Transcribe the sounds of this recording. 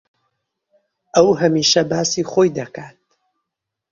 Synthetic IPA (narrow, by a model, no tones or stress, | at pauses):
ʔɐwɦɐmiːʃɐbaːsiːχoːjd̪ɐkaːt̪̚